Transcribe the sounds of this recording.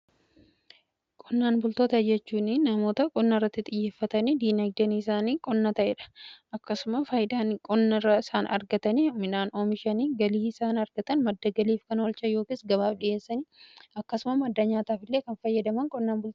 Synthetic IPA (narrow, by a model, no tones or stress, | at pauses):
kʼɔnːaːnbʊlt̪o̞ːt̪ɐd͡ʒɛt͡ʃːuːnɪnɐmo̞ːt̪ɐkʼɔnːɐɪrːɐt̪ːɪt̪ʼɪjːe̞ːfːɐt̪ɐniːd̪iːnɐɡd̪ɐniɪs̬aːniːkʼɔnːɐt̪ɐʔeːᶑɐ̥ʔɐkːɐsʊmɐfɐːjd̪aːnkʼɔnːɐrːɐɪsaːnɐ̰ɾɡɐt̪ɐnimɪnaːnomɪʃɐniːɡɐliːɪsaːnɐɾɡɐt̪ɐnmɐd̪ːɐɡɐliːfkɐnwɔlt͡ʃɐjo̞ːkiːsɡɐβaːfᶑɪe̞ːsːɐniɐkːɐsʊmɐmɐd̪ːɐɲaːt̪aːfɪlːe̞ːkɐnfɐjːɐd̪ɐmɐŋkʼɔnːaːnbʊlt̪ː